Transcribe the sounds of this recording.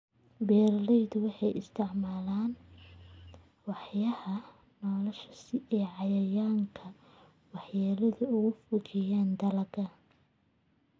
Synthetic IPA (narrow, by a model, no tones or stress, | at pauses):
bɛːrlɛjd̪ʊwɑħɑjʔɪ̰st̪ʰɪʕmaːlaːn | wɑħjɐhɐ | nɔːlɐʃɐ̥sɪɛːʕɑjɐjaːŋkʰɐ | wɑħjaːlɐðʊʊɣʊfʊɣɪjaːnd̪ɐlɐɡɐ